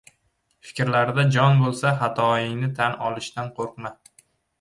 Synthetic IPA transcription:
fɪ̥kʲɾlaɾd̪ad͡ʒɒnbolˠsaχat̪ʰɒɪnɪt̪ʰanɒlˠɪʃt̪anqʰoɾqma

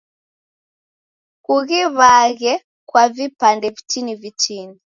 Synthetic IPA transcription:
kuɣiβaɣɛ | kwavipandɛvitinivit͡ʃini

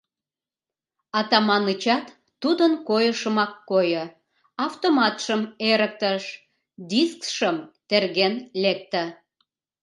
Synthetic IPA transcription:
ɑt̪ɑmɑnət͡ɕɑt̪ː | ud̪ənkojəʃəmɑkːojə | ɑft̪omɑt̪ʃəmeɾək̚t̪əʃ | d̪iskʃəmt̪erɣenlek̚t̪ə̆

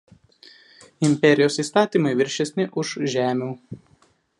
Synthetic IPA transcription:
ɪmʲpʲɛɾʲɪjoːsiːst̪ɑːt̪ʲiːˑmɐɪʋʲɪɾʲʃʲɛsʲnʲɪʔʊʃʒʲæːmʲuː

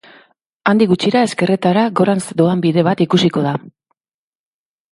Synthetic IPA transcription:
and̪iɣut͡ʃiɾae̞ske̞re̞t̪aɾaɡo̞ɾansd̪oambiðe̞β̞at̪ikusiko̞ð̞a

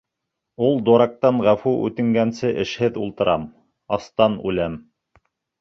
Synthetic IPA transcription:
ulˠd̪uɾɑk̚t̪ɑɴʁæfuʉ̰t̪ɘ̆ŋɡænsɘʔɘ̆ʃhɘðulˠt̪ɤ̆ɾʔɑm | ɑst̪ɑnʉ̰læm

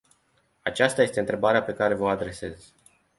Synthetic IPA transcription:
at͡ʃast̪aje̞st̪e̞ɨnt̪ɾe̞baɾeape̞kaɾe̞vəad̪ɾe̞se̞z̥

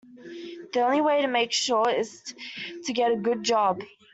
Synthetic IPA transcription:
ðiõʊ̃nliweɪɾɨmeɪkʃʊɹɪz̥tʰɨɡɛɾɨɡʊd̚d͡ʒɑb̥

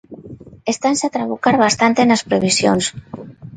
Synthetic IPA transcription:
est̪anseat̪ɾaβukaɾβast̪ant̪enaspɾeβ̞isjo̰ns

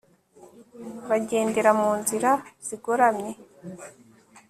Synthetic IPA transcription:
βaɟe̞ːndeɾamuːnziɾaz̥iɡoɾamɲe̞

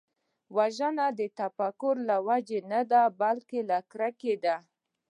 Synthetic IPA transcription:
waʒənad̪ət̪afakʊɾlawad͡ʒenad̪abalkelakɾaked̪a

